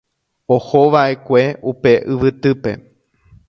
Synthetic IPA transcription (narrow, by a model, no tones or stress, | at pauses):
oho̞ʋaʔe̞kʷe̞upe̞ʔɨʋɨt̪ɨpe̞̰